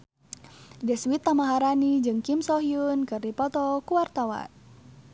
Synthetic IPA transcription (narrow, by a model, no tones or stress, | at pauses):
dɛswit̪ːamaɦaɾanid͡ʒɨŋkimsɔɦiunkɨrdipɔt̪ɔkuwart̪awa̰n